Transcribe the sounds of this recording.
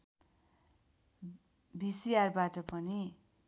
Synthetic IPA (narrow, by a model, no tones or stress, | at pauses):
bisiarbaʈʌpʌni